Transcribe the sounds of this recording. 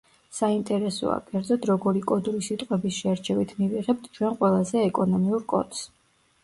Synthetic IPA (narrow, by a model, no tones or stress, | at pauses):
saint̪ʼɛɾɛsɔ̰a̰kʰʼɛɾd̪zɔd̪ɾɔɡɔɾikʼɔd̪uɾisit̪ʼqʼwɛbisʃɛɾt͡ʃʰɛvit̪ʰmiviʁɛp̚t̪ʰt͡ʃʰwɛnqʼwɛlˠazɛːkʼɔnɔmiuɾkʼɔ̰t̪s